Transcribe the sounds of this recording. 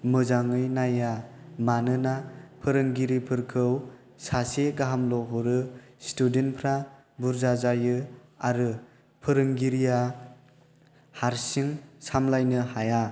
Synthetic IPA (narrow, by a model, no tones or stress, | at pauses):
mɯzaŋɯjnajamanɯnapʰɯɾɯŋɡiɾipʰɯɾkʰɯw | saseɡaɦamlɔɦuɾɯstudenpʰɾa | buɾzazajɯaɾɯ | pʰɯɾɯŋɡiɾija | haɾsiŋsamlajnɯhaja